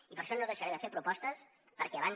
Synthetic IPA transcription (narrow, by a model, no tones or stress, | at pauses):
ipəɾʃɔnoðəʃəɾeðəfepɾupɔst̪əs | pəɾkɛəβan